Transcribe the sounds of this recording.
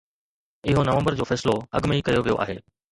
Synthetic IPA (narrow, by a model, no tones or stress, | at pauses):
ɪɦonɐʋə̃mbəɾd͡ʑoːfɛːsloɐ̰ɠmeikɐjoʋijo̰ʔa̰ːɦeː